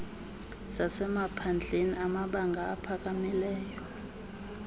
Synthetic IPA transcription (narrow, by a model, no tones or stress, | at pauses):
sasɛmapʰand͡ɮʱeniamaɓaŋɡʱaːpʰak̬ʼamilɛːjɔ